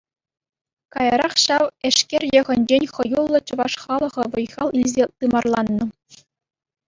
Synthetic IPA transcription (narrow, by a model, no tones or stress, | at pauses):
kɑjɑɾɑχɕɑʋĕʂkʲerʲjɤ̆ʁʲɘ̆nʲd͡ʑenʲχɤ̆julˠːɤ̆t͡ɕɤ̆ʋɑʂχɑlˠɤ̆ʁɤ̆ʋɤ̆jʁɑlˠilʲzʲet̪ɯmɑrlˠɑnːɤ̆